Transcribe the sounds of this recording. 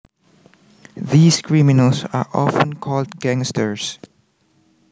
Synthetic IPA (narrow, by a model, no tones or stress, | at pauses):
ðiːskɹimɪnəlsaɹʔɔ̰fə̃nkʰɔldɡ̥æ̃ŋstəɹs